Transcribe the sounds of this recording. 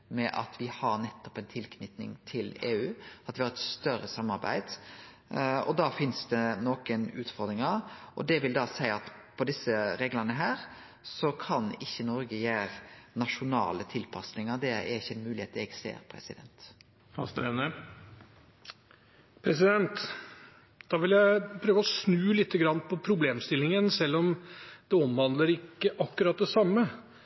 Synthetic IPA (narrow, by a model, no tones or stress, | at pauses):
mɛʔɑ̰t̪ʋɪhɑɾnɛt̪ːɔ̥pɛnt̪ʰɪlkʰnʏt̪nɪ̰ŋt̪ʰɪleːʉːɑt̪ʋɪhɑɾɛt̪st̪œɾːəsɑmːɑɾbæ̰ɪd̪̥ | ɔ̰d̪ɑːfɪnsd̪ɛnoːkənʉːt̪fɔɾd̪ɾɪŋɑʔɔ̰d̪ɛʋɪld̪ɑːsæɪɑt̪pʰɔd̪ɪsəɾeːɡlɑnəɦæːɾ | sɔkʰɑnɪçːənɔɾɡəjæːɾnɑʂʊnɑ̰ːlət̪ʰɪlpʰɑsnɪŋɑd̪ɛæ̰ɾɪçːəɛɪnmʉːlɪheːt̪ɛɡsḛːɾpʰɾɛ̰sɪd̪ɛ̰nt̪ | fɑ̰st̪ɾɛnə | pʰɾɛs̬ɪd̪ɛnt̪ | d̪̥ɑːʋɪljæɪpʰɾøːʋəɔsnʉːlɪt̪ʰːəɡɾɑnːpʰɔpʰɾʊbleːmst̪ɪlɪŋənsɛlːɔmd̪̥ɛɔmʋɑnd̪ləɾɪkːəʔɑkːʉɾɑt̪̚d̪ɛsɑmːə